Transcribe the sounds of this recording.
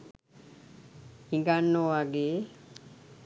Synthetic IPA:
hiŋɡanːoʋaɡeː

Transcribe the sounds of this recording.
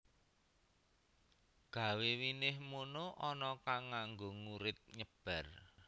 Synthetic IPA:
ɡ̥ä̤wewinɪhmunoʔɔnɔkaŋːaŋɡoŋuɾɪt̪̚ɲəb̥a̤r

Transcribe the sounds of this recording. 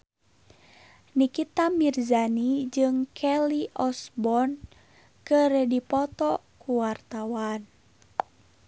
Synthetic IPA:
nikit̪amirzanid͡ʒɨŋkʰɛliʔɔsbɔn | kɨrdipɔt̪ɔkuwart̪awan

